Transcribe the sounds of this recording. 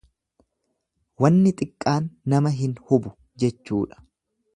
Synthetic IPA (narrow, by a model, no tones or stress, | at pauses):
wɐnːɪt̪ʼɪkʼːaːnːɐmɐɦɪnhʊbʊ | d͡ʒɛt͡ʃːuːᶑɐ̥